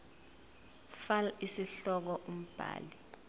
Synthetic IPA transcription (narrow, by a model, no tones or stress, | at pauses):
falaisiɬɔk̬ɔʔum̩b̥ʱa̰ːli